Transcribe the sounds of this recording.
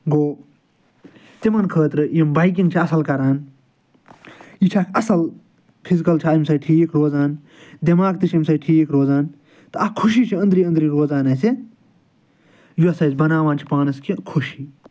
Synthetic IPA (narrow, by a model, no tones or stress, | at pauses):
ɡoː | t̪imɐnkʰəːt̪ɾɨjimbɐjk̬ĩŋɡ̚t͡ʃʰiɐsɐlkɐɾaːn | jit͡ʃʰaːkʰʲɐsɐl | pʰizikɐlt͡ʃʰaimsɐjʈʰiːkɾoːzaːn | d̪imaːɡ̚t̪ɨt͡ʃʰɐmsɐjʈʰiːkɾoːzaːn | t̪ɨɐkʰːuʃiːt͡ʃʰiɐ̃nd̪ɾiːɐ̃nd̪ɾiːɾoːzaːnɐːsi | juɐsɐjsbɐnaːʋaːnt͡ʃʰi̥paːnɐskʰikʰuʃiː